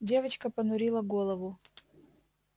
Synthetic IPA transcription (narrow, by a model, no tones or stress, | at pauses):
dʲe̞vət͡ɕkəpənʊɾʲilˠəɡolˠəvʊ